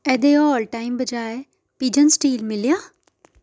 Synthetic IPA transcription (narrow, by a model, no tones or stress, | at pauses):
ɛːd̪eːɔːlʈaːimbəd͡ʒaːeː | piːd͡ʒənsʈiːlmɪlijãː